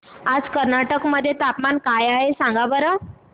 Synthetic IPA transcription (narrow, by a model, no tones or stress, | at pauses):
ad͡zkəɾnaʈəkməd̪ʱːjet̪apmankajaɦesãŋɡabəɾə